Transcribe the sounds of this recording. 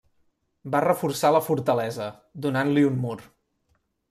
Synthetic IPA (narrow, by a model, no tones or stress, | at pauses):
barəfursaləfuɾt̪əlɛzə | d̪unanliunmur